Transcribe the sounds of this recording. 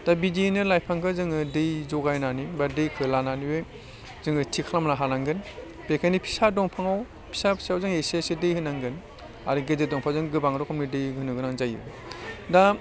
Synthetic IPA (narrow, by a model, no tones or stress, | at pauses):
d̥abidinɯlajpʰaŋkʰɯzɯŋɯdɯjzɔɡajnanibaɾdɯjkʰɯlananibɯ | zɯŋɯtʰikʰalamnaɦanaŋɡɯn | pekʰanipʰi̥sadɔŋpʰaŋaw | pʰi̥sapʰi̥sawzɯŋesisidɯjhɯnaŋɡɯn | a̰ɾiɡededɔŋpʰawzɯŋɡɯbaŋɾɔkʰamnidɯjɡɯnɯɡɯnaŋzajɯ̰ | da